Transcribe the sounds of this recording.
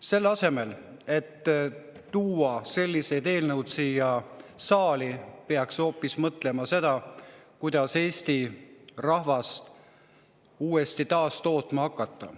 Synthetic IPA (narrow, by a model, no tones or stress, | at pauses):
se̞lːɑse̞me̞l | e̞t̪ː | uːɑse̞lʲːise̞jd̪e̞ːlnəwt̪sijɑsɑːlipe̞ɑksho̞ːpːismɤt̪ˑle̞mɑse̞d̪̥ɑkujd̪̥ɑse̞ːst̪irɑhvɑst̪ | uːe̞st̪it̪ɑːst̪o̞ːt̪ˑmɑɑkːɑt̪ˑːɑ̰